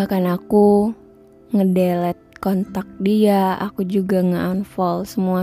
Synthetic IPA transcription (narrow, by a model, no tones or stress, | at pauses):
akanaku | ŋədɛlɛt̪̚kɔnt̪ak̚diaa̰kud͡ʒuɡaŋəanfɔlsəmua